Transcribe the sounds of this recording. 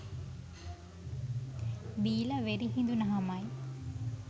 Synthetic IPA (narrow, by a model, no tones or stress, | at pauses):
biːlɐʋeɾiɦind̪unɐɦamaj